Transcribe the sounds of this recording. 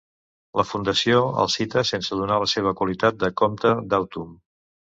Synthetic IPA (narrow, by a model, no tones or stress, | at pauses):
ləfund̪əsioə̰lˠsit̪əsensəðunaləseβ̞əkwəlit̪at̪̚d̪əkomt̪əd̪awt̪um